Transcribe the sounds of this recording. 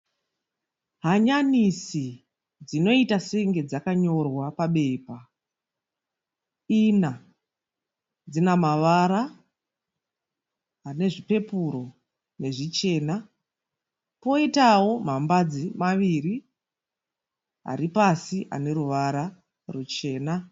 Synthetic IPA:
ɦaɲanisi | d͡zino̞itaseŋɡe̞d͡zakaɲo̞rwapaɓe̞pa | ina | d͡zinamaʋaɾa | ane̞ʐipe̞puɾo̞ | ne̞ʐit͡ʃe̞ːna | po̞itawo̞m̤ambad͡zimaʋiri | ɦa̰ɾipasiʔa̰ne̞ɾuʋaɾa | rut͡ʃe̞ːna

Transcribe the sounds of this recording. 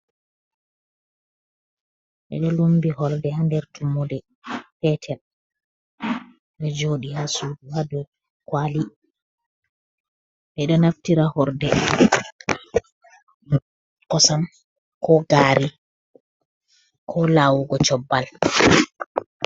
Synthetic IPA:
ɓɛ̰ɗɔlumbihɔɾdɛhandɛɾtumːudɛ | fɛtʰɛl | ɗɔd͡ʒoːɗihasuduhadɔ | kwali | ʔɛɗɔnaftiɾahɔɾdɛ | kɔsam | kʰɔɡaːɾi | kʰɔlaːwuɡɔt͡ʃɔbːal

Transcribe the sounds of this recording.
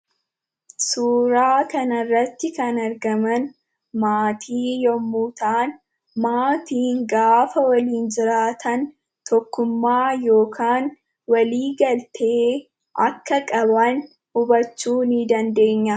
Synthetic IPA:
suːɾaːkɐnɐrːɐt̪ːɪkɐnɐɾɡɐmɐn | maːt̪ʰiːjɔmːuːt̪aːn | maːt̪iːŋɡaːfɐwɐliːnd͡ʒɪɾaːt̪ʰɐn | t̪ɔkːʊmːaːjo̞ːkʰaːn | wɐliːɡɐlt̪ʰeː | ʔɐkːɐkʼɐbɐn | hʊbɐt͡ʃːuːnɪd̪ɐnd̪e̞ːɲːɐ

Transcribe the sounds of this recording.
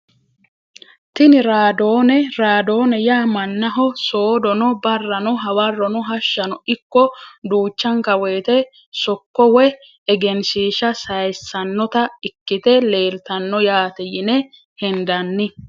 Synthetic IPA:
t̪ɪnɪɾaːd̪o̞ːnɛɾaːd̪o̞ːnɛjaːmɐnːɐɦɔso̞ːd̪ɔnɔbɐrːɐnɔɦɐwɐrːɔnɔɦɐʃːɐnɔʔɪkːɔd̪uːt͡ʃːɐŋkɐweːt̪ɛ | sɔkːɔwɛ | ɛɡɛnsiːʃɐsɐjsːɐnːɔt̪ɐɪkːɪt̪ɛle̞ːlt̪ɐnːɔjaːt̪ɛjɪnɛ | hɛnd̪ɐnːɪ

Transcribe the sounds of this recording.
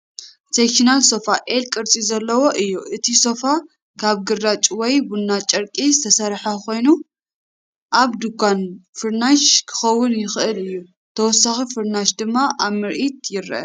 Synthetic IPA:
sekʃinalso̞faʔelkʼɨɾt͡sʼizɐlːɐwo̞ʔɨjːuʔɨt̪ʰiso̞fa | kʰaβɡɨrːat͡ʃʼwɔjbunːat͡ʃʼɐɾkʼizɨt̪ʰɐsɐɾħako̞jnu | ʔaβd̪uɡʷanfɨɾnaʃkʰɨ̥xɐwːʊnjɪxʔɨlɨjːu | t̪ʰɐwɔsːaxifɨɾnaʃd̪ɨmːaʔaβmɨɾʔit̪jɪɾʔɐ̰

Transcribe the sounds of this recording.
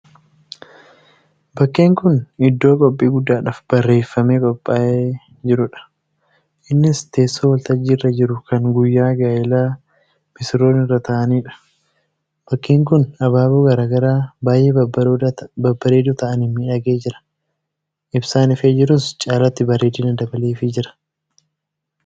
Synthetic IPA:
bɐkːeːŋkʊnɪd̪ːoːkʼɔpʼːiːɡʊd̪ːaːᶑaːfb̥ɐrːe̞ːfːɐmeːkʼɔpʼːaːʔe | d͡ʒɪɾʊᶑɐ̥ | ʔɪnːɪst̪e̞ːsːoːwɐlt̪ɐd͡ʒːiːrːɐd͡ʒɪɾʊkɐŋɡʊjːaːɡaːjɪlaː | mɪsɪɾo̞ːnɪrːɐt̪ɐʔɐniːᶑɐ̥ | b̥ɐkːiːŋkʊnɐbaːbuɡɐɾaːɡɐɾaːbaːjʔeːbbɐbɐɾeːd̪ut̪ɐʔɐnɪmːiːᶑɐɡe̞ːd͡ʒɪɾɐ̥ | ʔɪbsaːnɪfeːd͡ʒɪɾʊst͡ʃʼaːlɐt̪ːɪbɐreːd̪iːnɐd̪ɐbɐleːfɪd͡ʒɪɾɐ̥

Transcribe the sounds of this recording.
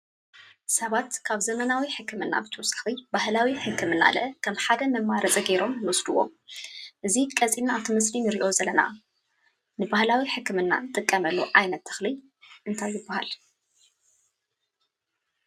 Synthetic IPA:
sɐβat̪kʰaβzɐmɐnawiħɨkʰːɨmɨnːa̰bɨt̪ʰɨsɨ̥xlɨbahlawiħɨkʰːɨmɨnːa̰lɐ̰ʔkʰɐmħad̪ɐmɐmːaɾɐt͡sʼɐɡe̞ɾo̞mnɨwɔsd̪uwːo̰mʔɨzikʼɐzʼinːat̪ʰɨmɨslinɨɾiʔo̞zɐlːɐna̰ | nɨbahlawiħɨkːɨmɨnːa̰nt̪ʼɨkʼːɐmɐlːoʕajnɐt̪ʰːɨ̥xlɨj | ʔɨnt̪ʰajːɪɨbːaha̰l

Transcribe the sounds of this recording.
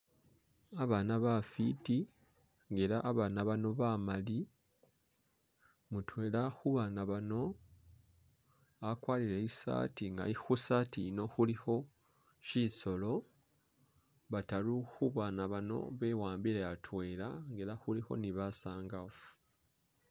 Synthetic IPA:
aβaːnaβafiti | ŋɡeɾaʔːβaːnaβano̞βamali | mutwe̞ːlaxuβaːnaβano̞ | akwaːlileisa̰tiŋɡa̰ixusaːtino̞xuliho̞ | ʃiso̞lo̞ | βataluxuβaːnaβano̞̰βe̞waːmbilejatʰwe̞ːlaŋɡeɾaxuliho̞̰niβasaːŋɡafu̥

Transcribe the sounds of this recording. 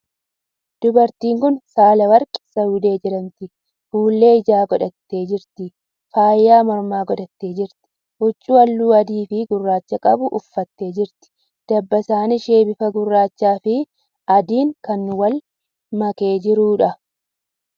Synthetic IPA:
d̪̥ʊbɐɾt̪iːŋkʊnsaːlɐwɐɾkʼɪ̥sɐjʊd̪e̞ːd͡ʒɪɾɐnt̪ɪ | fuːlːe̞ːɪd͡ʒaːɡɔᶑɐt̪ːe̞ːd͡ʒɪɾt̪ɪ | faːjːaːmɔɾmaːɡɔᶑɐt̪ːeːd͡ʒɪɾt̪ɪ̥ | ʔʊt͡ʃʼːuːɐlːuːɐd̪iːfɪɡʊrːaːt͡ʃːɐkʼɐbʊʔʊfːɐt̪ːe̞ːd͡ʒɪɾt̪ɪ̥ | d̪̥ɐbːɐsaːnɪʃe̞ːbɪfɐɡʊrːaːt͡ʃːaːfɪ | ɐd̪iːŋkɐnːʊwɐl | mɐke̞ːd͡ʒɪɾuːᶑɐ

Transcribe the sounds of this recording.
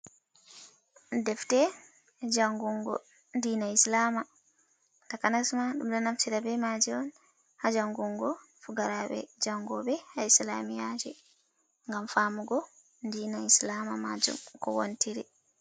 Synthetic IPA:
dɛftɛ | d͡ʒaŋɡuŋɡɔ̰ | ndiːnaislama | takanasmaɗumɗɔnaftiɾabɛmad͡ʒɛɔn | had͡ʒaŋɡuŋɡɔ | fuɡaɾabɛ̰d͡ʒaŋɡɔbɛhaislamijad͡ʒɛ | ŋɡamfaːmuɡɔ | ndiːnaislamamad͡ʒṵmkɔwontʰiɾi

